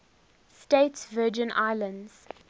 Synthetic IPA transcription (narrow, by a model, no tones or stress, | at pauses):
stetsvɜːd͡ʒə̃nʔa̰ɪlə̃ndz̥